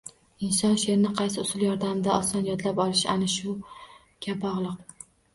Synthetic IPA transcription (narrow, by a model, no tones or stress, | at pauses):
ɪnsɒnʃe̞ɾɪnɪqʰɑjsɪʊsɪlˠjɒɾd̪amɪd̪aɒsɒnjɒd̪lapɒlˠɪʃanɪʃʊ | ɡʲʰabɒʁlˠɨq̚